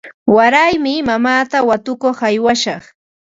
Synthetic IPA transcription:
waɾajmɪmamaːt̪awat̪ʊkoχajwaʃɑχ

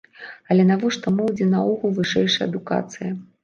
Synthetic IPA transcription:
ɐlʲɛnavɔʂt̪ɔmɨwd͡zʲɛnauɣulˠvɨʂɛjʂɐjɐd̪uka̰t̪sɨjɐ

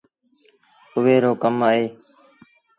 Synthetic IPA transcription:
ʊʋeːɾoːkəmaːɦeː

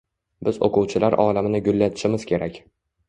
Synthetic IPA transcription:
bɪzo̰qʊwt͡ʃʰɪlaɾʔɒlamɪnɪɡʲʊlːat̪ʰɪ̥ʃɪmɪz̥kʲʰe̞ɾakʲ

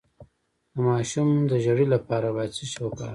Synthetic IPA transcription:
d̪̥əmɑʃumd̪əʒaɽilapɑɾabɑjad̪̚t͡səʃokɑ̰

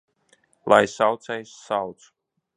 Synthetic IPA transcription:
lˠajsawt̪sɛjsːawt̪s

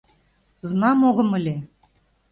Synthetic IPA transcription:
znɑmoɣɤ̆mɘ̆lʲe

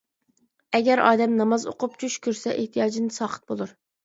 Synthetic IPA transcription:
ɛɡʲɛɾɑ̰ːd̪ɛmnɑmɑzo̰qʰʊp̚t͡ʃʰuʃkʲʰøɾsɛʔeht̪ʰijɑːd͡ʒinsɑːqə̥t̪̚bolˠuɾ

